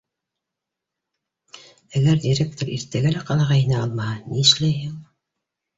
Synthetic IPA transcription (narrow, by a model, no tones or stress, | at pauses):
æɡæɾd̪ʲiɾʲek̚t̪oɾḭɾt̪æɡælæqɑnɑʁɑinæɑlˠmɑhɑniɘ̆ʃlæjɦɘŋ